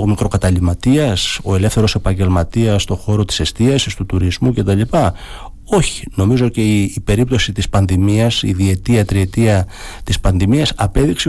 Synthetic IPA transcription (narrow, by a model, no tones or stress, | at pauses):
omikɾo̞kɐt̪ɐlimɐt̪iɐso̞e̞le̞fθe̞ɾo̞se̞pɐɲɟe̞lmɐt̪iɐsːt̪o̞xo̞ɾo̞t̪i̥se̞st̪iɐsist̪ut̪uɾizmuce̞t̪ɐlipɐ | o̞çi̥no̞mizo̞ce̞iːpe̞ɾip̚t̪o̞sit̪ispɐnðimiɐsḭðie̞t̪iɐt̪ɾie̞t̪iɐt̪ispɐnðimiɐsɐpe̞ðikse